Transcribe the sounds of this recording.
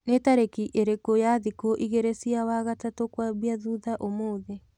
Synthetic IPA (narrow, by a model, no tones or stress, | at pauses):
netaɾekiʔeɾekojaðikoʔiɣeɾesiawaɣatatokwaβiaðuðaʔomoːðɛ